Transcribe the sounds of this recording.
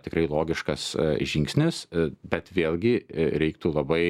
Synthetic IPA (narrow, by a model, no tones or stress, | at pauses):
t̪ʲɪkɾɐɪlˠoːɡʲɪʃkɐsʒʲɪŋksʲnʲɪsbʲɛt̪ʋʲeːlʲˠɡʲɪɾʲɛɪkt̪uːlˠɐbɐɪ